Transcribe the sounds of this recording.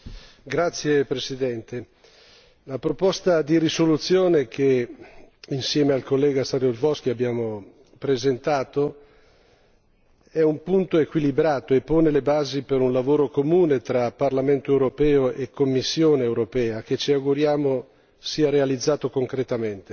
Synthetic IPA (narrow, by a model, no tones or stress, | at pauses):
ɡɾat̪sːjepɾesid̪ɛnt̪e | lapɾopɔst̪ad̪iɾisolut̪sːjoːnekʰe | insjɛːmealkolːɛːɡasaɾjozvɔsk̟iabːjaːmo | pɾezent̪aːt̪o | ɛumpunt̪oekwilibɾaːt̪oepːoːnelebaːzipeɾunlavoːɾokomuːnet̪ɾaparlament̪oewɾopɛːoʔekːomːisːjoːneːwɾopɛːak̟et͡ʃiawɡuɾjaːmo | siːaɾealid̪zːaːt̪okoŋkɾet̪ament̪e